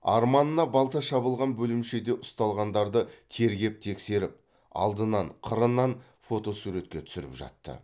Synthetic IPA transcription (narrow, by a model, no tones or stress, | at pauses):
ɑ̰ɾmɑnənɑbɑlˠt̪əʃɑβəlˠʁɑnbɵlɪmʃe̞d̪e̞ʔʊst̪ɑlˠʁɑnd̪ɑɾd̪ət̪ʰe̞ɾɡʲe̞p̚t̪ʰe̞kse̞ɾɪp̚ | ɑ̰lˠd̪ənɑɴqʰəɾənːɑn | fo̞t̪o̞suɾe̞t̪kʲe̞t̪ʰʏ̥sɪɾɪpʒɑ̰t̪ːə̰